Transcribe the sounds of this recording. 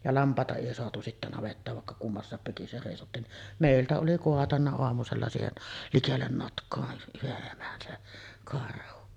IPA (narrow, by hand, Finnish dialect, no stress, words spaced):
jɑ lɑmpˑɑˑetɑ eˑi soɑtu sitːæ nɑʋetːɑːʋ ʋɑˑekːɑ kumːɑsːɑˑep seˑisotːiːn niʔ meˑiltæ oli koɑtɑnːɑ oɑmuselːɑ siːhen likelːen notkˑoɑ yheʔ ʔemæn se kɑrhu